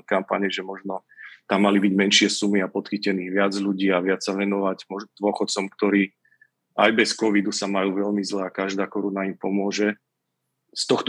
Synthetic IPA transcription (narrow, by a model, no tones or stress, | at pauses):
kampa̰ɲɛʒɛmɔʒnɔt̪amːalibiɟmɛnʃɪɛsumiapɔt̪xicɛniːɣʋɪad͡zʎuɟiːaʋɪat͡ssaʋɛnɔʋaɟmɔʒɔd̪ʋʊɔxɔt̪t͡sɔmkt̪ɔɾiː | ajbɛskɔʋid̪usamajuːʋɛʎmizlɛakaʒd̪aːkɔɾunaimpɔmʊɔʒɛ | st̪ɔxt̪